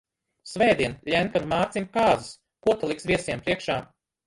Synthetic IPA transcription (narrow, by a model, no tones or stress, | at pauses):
svɛjd̪iɛnlʲɛnkaɾmaːɾt̪simʲkaːzis | kuɔt̪alˠiksviɛsiɛmpɾiɛkʃaː